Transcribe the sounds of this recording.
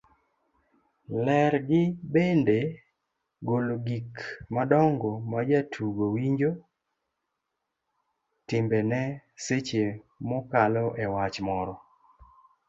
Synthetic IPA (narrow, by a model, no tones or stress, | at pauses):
lɛɾɡɪbende | ɡoloɡikmadɔŋɡɔmad͡ʒatʰuɡowiɲd͡ʒo | tɪmbenɛset͡ʃemɔkalɔʔɛwat͡ʃmɔɾɔ